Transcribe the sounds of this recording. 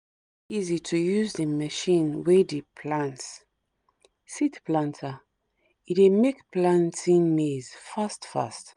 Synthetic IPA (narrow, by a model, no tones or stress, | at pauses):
izitʰujuzdəməʃĩnwedepʰlãnts | sitplãntʰa | iemekplãntʰĩnmez̥fastfa̰st